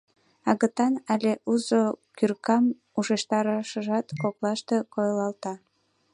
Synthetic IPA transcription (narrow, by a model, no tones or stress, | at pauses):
ɑɣə̆t̪ɑnælʲeʔuzokyrkɑm | uʃeʃt̪ɑɾɑʃəʒɑt̪koklɑʃt̪ekojlɑlt̪ɑ